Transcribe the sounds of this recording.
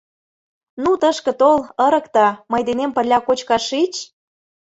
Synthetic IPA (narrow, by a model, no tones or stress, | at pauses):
nut̪əʃkɤ̆t̪oləɾə̆kt̪ɑmɤjd̪enempə̆rlʲɑkot͡ɕkɑʃit͡ɕ